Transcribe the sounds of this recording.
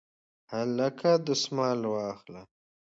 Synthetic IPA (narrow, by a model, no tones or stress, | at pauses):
halakʰad̪əsmɑːlwɑːxla